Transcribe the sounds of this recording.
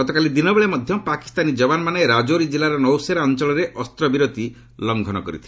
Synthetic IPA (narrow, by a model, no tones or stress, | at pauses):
ɔt̪ɔkalid̪inɔbeɭemɔd̪ʱjɔpaki̥st̪anid͡ʒɔbanɔmaneɾad͡ʒoɾid͡ʒilaɾɔnɔwseɾaɔnt͡ʃɔɭɔɾeʔɔst̪ɾɔbiɾot̪i | lɔŋɡʱɔnɔkɔ̰ɾḭt̪ʰi̥